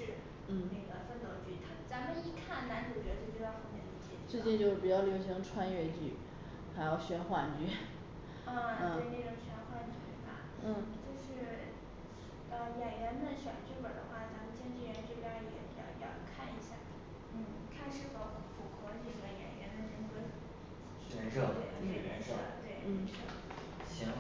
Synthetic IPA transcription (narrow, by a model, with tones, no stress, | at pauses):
ʂɻ̩˥˧ | n̩˥˩ne˥˩ɡə˩fə˥nt̪wo˧˥t͡ɕy˧˩t̪ʰa˥t͡sa˧˥mə˧ni˥˧kʰa˥˩nna˧˥nʈ͡ʂʰu˨˩t͡ɕɥɛ˧˥˧t͡ɕjo˥˩t͡ɕi˥ɑ˥˧˩xə˧˥mjɛ˧˥nli˧˩t͡ɕʰɛ˥˩˧t͡swe˥˧˥t͡ɕi˥˧nt͡ɕjo˥˩ʊpu˨˩t͡ɕjɑ˥˩ʊljo˧˥ʊɕ̬i˧˥ŋʈ͡ʂʰwa˥nɥɛ˥˧t͡ɕy̰˥˩ | xa˧˥ɪjo˥˨˩ʊɕɥɛ˥nxwa˥˩nt͡ɕy˧˥ | ə˥˧t̪e˥˩˧ne˥˩ʈ͡ʂʊ˨˩ŋɕɥɛ˥nxwa˥˩nt͡ɕy˥˧˩ba̰˩ | n̩˥˩t͡ɕjo˥˧ʊʂɻ̩˥˩ | ə˧jɛ˨˩nɥɛ˧˥nd̪ə˧ɕɥɛ˨˩nt͡ɕy˥˩wə˨˩d̪ə˦xwa˥˩t͡sa˧˥m˨˧t͡ɕjɛ˥˧nʈ͡ʂɻ̩˥˧jɥɛ˧˥nʈ͡ʂɤ˥˧pja˥jɛ˨˧˩pi˨˩t͡ɕɑ̰˥˧˩jɑ̰˥˧˩kʰa˥˩ni˧˥ɕja˥˩ | n̩˥˩ | t̪ʰa˥ʂɻ̩˥˩kʊxə˧˥fʰu˨˩kʰɤ˧˥ni˨˩ɡə˧˩jɛ̰˨˩nɥɛ˧˥nd̪ə˧ʈ͡ʂ̩˥ŋmu˧˥˩d̪ə˧˩˧ | ɛ˧˥nʂɤ˥˧e˥˩˧n̩˥˩ɛ̰˧˥nʂt̪we˥˩ɪn̩˥˩˧ʂə˥˩ | ɕɛ˧˥